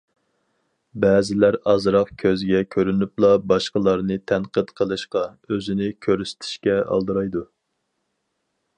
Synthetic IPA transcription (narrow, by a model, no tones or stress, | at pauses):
bɛːzɪlæɾɑzɾɑqkʲʰøzɡʲɛkʲʰøɾynyplˠɑbɑʃqəlˠɑɾnɨt̪ʰɛnqət̪qʰəlˠɨʃqɑ | øzɪnɪkʲʰøɾyst̪ʰi̥ʃkʲɛɑ̰lˠd̪ɨɾɑjd̪u